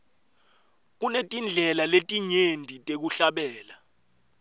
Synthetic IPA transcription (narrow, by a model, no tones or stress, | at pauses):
k̬unetʼind͡ɮʱɛlaletʼiɲendʱitʼek̬uɬaɓɛːla